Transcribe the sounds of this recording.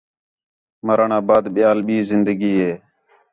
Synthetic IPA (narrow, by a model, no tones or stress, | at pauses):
məɾaɳaːbaːd̪ɓɪjaːlɓiːzɪnd̪əɡiːɦeː